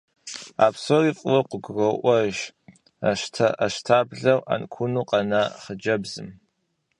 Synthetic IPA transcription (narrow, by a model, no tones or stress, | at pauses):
a̰ːpʰsoriqʷʼwɐqʷʊɡrɐʔʷɐʒ | ʃtʰaaʃtʰaːbɮɐwʔa̰nkʷʰʊnuqʼɑnaχəd͡ʒɐbzɨ̰m